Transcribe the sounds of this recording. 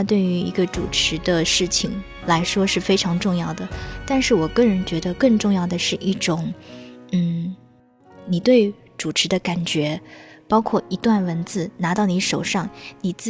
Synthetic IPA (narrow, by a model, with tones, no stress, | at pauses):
t̪we˥˩ɪy˧˥ḭ˧˥ɡə˧ʈ͡ʂṵ˨˩ʈ͡ʂʰɻ̩˧˥d̪ə˧ʂɻ̩˥˩t͡ɕʰi˨˩ŋ | la˧˥ɪʂwɔ˥ʂɻ̩˥˩fe˥ɪʈ͡ʂʰɑ˧˥ŋʈ͡ʂʊ˥˧ŋjɑ˥˩ʊd̪ə˩t̪a˥˧nʂɻ̩˥˩wɔ˨˩kɤ˥˩ŋɻə˧˥nt͡ɕɥɛ˧˥d̪ə˧kɤ˥˧ŋʈ͡ʂʊ˥˧ŋjɑ˥˩ʊd̪ə˩ʂɻ̩˥˧ʔi˥˩ʈ͡ʂʊ˨˩˦ŋn̩˥˩ | ni˨˩t̪we˥˩ɪ | ʈ͡ʂu˨˩ʈ͡ʂʰɻ̩˧˥d̪ə˧ka˨˩nt͡ɕɥɛ˧˥pɑ˥ʊkʰwɔ˥˩i˧˥t̪wa˥˩nwə˧˥nt͡sɹ̩˥˩na˧˥t̪ɑ˥˩ʊni˧˥ʂo˨˩ʊʂɑ˥˩ŋni˨˩t͡s̩˥˩